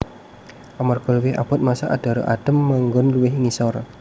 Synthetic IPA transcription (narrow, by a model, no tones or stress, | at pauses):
ʔamarkɔlwia̰pɔt̪̚masaʔadaɾo̰ʔad̥əmːaŋɡɔnluɪɦŋisɔr